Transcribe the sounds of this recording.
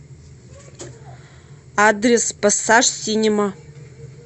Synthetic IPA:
adrʲespasaʂsinʲima

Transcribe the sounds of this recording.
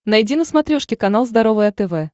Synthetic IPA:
nɐjdʲinəsmɐt̪ɾʲoʂkʲɪkɐnalˠzd̪ɐɾovɨjɐt̪ɛvɛ

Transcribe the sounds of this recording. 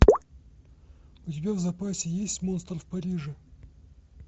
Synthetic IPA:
ʊtʲɪbʲavzɐpasʲɪjesʲtʲmo̞nst̪rfpɐɾʲiʐɨ

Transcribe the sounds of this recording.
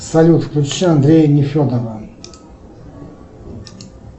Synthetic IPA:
salʲut̪fklʲut͡ʃɕɛand̪ɾʲejnʲifʲɔd̪ava

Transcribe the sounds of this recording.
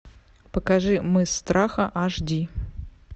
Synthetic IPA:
pɐkaʐɨmɨst̪rʔaxɐʔaʐdʲi

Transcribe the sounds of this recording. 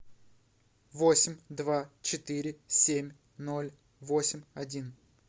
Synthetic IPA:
vosʲɪmʲd̪vat͡ɕɪt̪ɨɾʲɪsʲemʲ | no̞lʲ | vo̞sʲɪmʲɐdʲin

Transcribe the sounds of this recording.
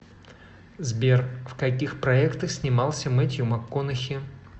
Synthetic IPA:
zbʲerfkɐkʲixpɾɐɛkt̪əxsʲnʲɪmɑlˠsʲəmɛtʲjʊmɐkːonɨxʲɪ

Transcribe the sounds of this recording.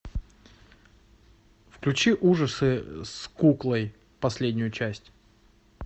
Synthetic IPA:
fklʲʉt͡ɕiʔuʐəsɨskuklˠəj | pɐsʲlʲedʲnʲʊjʊt͡ɕæsʲtʲ

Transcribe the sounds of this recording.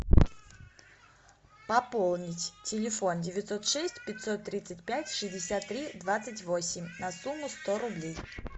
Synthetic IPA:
pɐpolˠnʲɪtʲtʲɪlʲɪfo̞ndʲɪvʲɪt̪sot̪ʂɛsʲtʲpʲɪtʲsot̪ːɾʲit̪sɨtʲpʲætʲʂɨzʲdʲɪsʲat̪ːɾʲid̪vat̪sətʲvo̞sʲɪmʲnɐsumːʊst̪oɾʊblʲej

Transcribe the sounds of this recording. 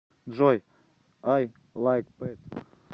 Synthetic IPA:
d͡ʒɔj | aj | lajk̚pet̪

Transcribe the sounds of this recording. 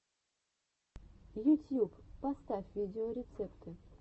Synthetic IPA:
jut̪ʲjupːast̪afʲvʲidʲɪoɾʲɪt̪sɛpt̪ʰɨ

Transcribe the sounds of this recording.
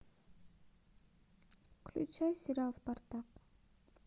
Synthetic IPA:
klʲṵt͡ʃajsʲiɾʲalˠspart̪ɑq

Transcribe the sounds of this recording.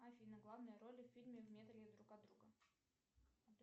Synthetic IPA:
afʲijnəɡlˠavnɨjəɾolʲɪfʲfʲilʲmʲɪvmʲet̪əlʲɪd̪ɾukɐd̪ɾuɡə | ɐd̪

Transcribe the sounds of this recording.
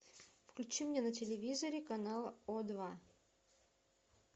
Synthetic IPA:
fklʲʉt͡ɕimnʲenətʲɪlʲɪvʲizəɾʲɪkɐnalˠod̪va

